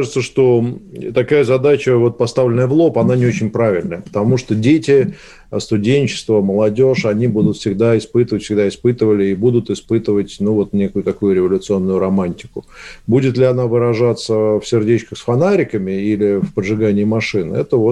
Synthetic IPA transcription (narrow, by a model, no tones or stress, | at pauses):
ʐɨt̪səʂt̪o̞t̪ɐkajəzɐd̪at͡ɕəvo̞t̪̚pɐst̪avlʲɪnːəjəvlˠo̞pɐnanʲɪot͡ɕɪnʲpɾavʲɪlʲnəjəpə̥t̪ɐmuʂt̪odʲetʲɪ | st̪ʊdʲenʲt͡ɕɪ̥st̪vəməlˠɐdʲo̞ʂɐnʲibud̪ʊt̪fʲsʲɪɡd̪aɪspɨt̪əvətʲfsʲɪɡd̪aɪspɨt̪ɨvəlʲɪːbud̪ʊt̪ɪspɨt̪əvətʲnuvo̞t̪nʲekʊjʊt̪ɐkujʊɾʲɪvəlʲʊt̪sɨo̞nːʊjʊɾɐmanʲtʲɪ̥kʊbudʲɪt̪lʲɪɐn̪avɨɾɐʐat̪səfsʲɪrdʲet͡ɕkəxsfɐnaɾʲɪkəmʲɪilʲɪfpəʐɨɡanʲɪːmɐʂɨnɛt̪əvo